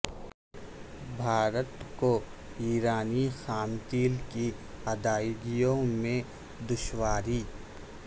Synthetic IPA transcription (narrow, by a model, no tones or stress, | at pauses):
bʱaːɾət̪ko | iːɾaːnixaːmt̪iːlkiɐd̪aːɪd̪ijõmẽ | d̪ʊʃwaːɾiː